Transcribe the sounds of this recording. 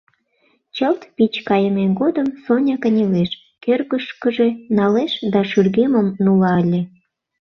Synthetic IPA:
t͡ɕəlt̪pit͡ɕkɑjəmenɡod̪əmsonʲɑkə̆nʲeleʃ | kørɣəʃkəʒenɑleʃd̪ɑʃyrɣeməmnulɑəlʲe

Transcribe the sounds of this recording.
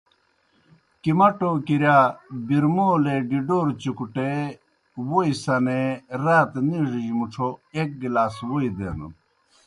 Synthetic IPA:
kimɐʈokiɾjabiɾmoːleɖiɖoːɾt͡ɕukuʈe | woisɐneɾaːt̪niʐiimuʈ͡ʂʰoek̚ɡilaːswoid̪ḛnṵ

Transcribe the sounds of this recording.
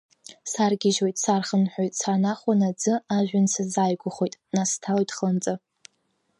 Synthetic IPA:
sarɡʲɪʒwo̞jtʼsarχənħʷᶣojtʼsanaχʷanad͡zɨaʒᶣʷansazaːjɡʷʊχʷojtʼnastʰaljtʰʼχant͡sʼɨ

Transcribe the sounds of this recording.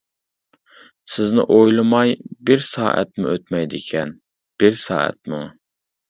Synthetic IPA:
sɪznɪ̰ʔojlˠɨmɑjbɪɾsɑ̰ːʔɛ̰t̪̚mʊ̰øt̪mɛjd̪ɪkʲʰɛn | b̥ɪɾsɑ̰ːɛ̰t̪̚mu

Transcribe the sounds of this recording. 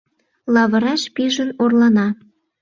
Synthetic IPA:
lɑβə̆ɾɑʃpiʒənorlɑnɑ

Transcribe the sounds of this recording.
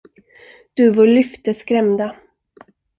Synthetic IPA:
d̪̥ɵvɔɭʏft̪əskɾɛmd̪a

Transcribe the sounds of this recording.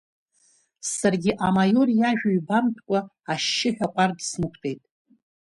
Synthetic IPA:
sarɡʲɪʔamajo̞rjaʒᶣaɥbamtʰkʷʼa | aʃːɪħᶣaqʷʼardsnɨkʷʰtʰʼe̞jtʼ

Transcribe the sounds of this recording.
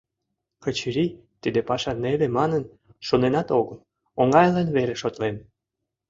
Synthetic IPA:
kət͡ɕiɾi | t̪id̪epɑʃɑnelemɑnən | ʃonenɑt̪oɣəl | oŋɑjlɑnβeɾeʃot̪len

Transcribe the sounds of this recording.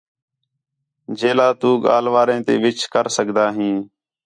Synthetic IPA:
d͡ʒeːlaːt̪uːɠa̰ːlʋaːɾẽːt̪ḛːʋɪt͡ʃʰkəɾsəkd̪aːɦĩː

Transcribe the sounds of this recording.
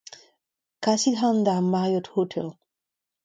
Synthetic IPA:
kasitɦand̪amaʁjɔt̪hotʰɛl

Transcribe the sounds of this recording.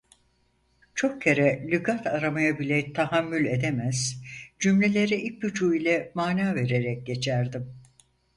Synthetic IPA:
t͡ʃʰo̞k̚cʰeɾɛlʲɯɡat̪ʰaɾamajabilʲɛt̪ʰaɦamːylʲe̞d̪emæz̥d͡ʒymlʲe̞lʲe̞ɾiʔic̚but͡ʃʰuːilʲɛmaːnaːve̞ɾe̞ɾɛc̚ɟe̞t͡ʃʰæɾd̪im

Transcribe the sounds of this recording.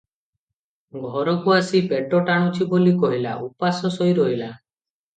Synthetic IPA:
ɡʱɔɾɔkuasipeʈɔʈaɽ̃ɔt͡ʃʰibolikɔɦila̰upasɔsɔjɾɔɦila

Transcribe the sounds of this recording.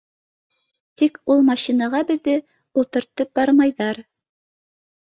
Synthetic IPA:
t̪ikulˠmɑɕinɑʁɑbɘ̆ðːɘ | ulˠt̪ɤ̆ɾt̪ːɤp̚bɑɾmɑjðɑɾ

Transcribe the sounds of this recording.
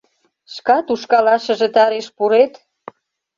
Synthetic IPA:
ʃkɑt̪uʃkɑlɑʃə̆ʒet̪ɑɾeʃpuɾet̪

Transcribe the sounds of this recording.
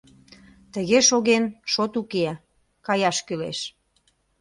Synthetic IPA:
t̪əɣeʃoɣenʃot̪uke | kɑjɑʃkylḛʃ

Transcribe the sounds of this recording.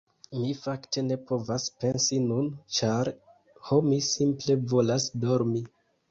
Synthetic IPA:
mifakte̞ne̞po̞vaspe̞nsinunt͡ʃaɾ | ho̞misimple̞vo̞lasdo̞ɾmi

